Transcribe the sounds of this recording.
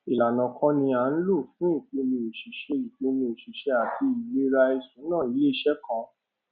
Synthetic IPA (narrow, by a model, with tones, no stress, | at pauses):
i˨la˨nã˨kʰã˧˦nĩ˧a˨˧˦n̩˦lo˦˨fũ˨˦i˦˨ke˨˧˦nĩ˧e˨ʃi˨ʃɛ˧i˨te˨˧˦nĩ˧o˨ʃi˨ʃɛ˦a˨tʰi˧i˨le˦ɾa˧i˧sũ˨˦nãː˦˨i˨˧˦le˦i˦ʃɛ˦kã˧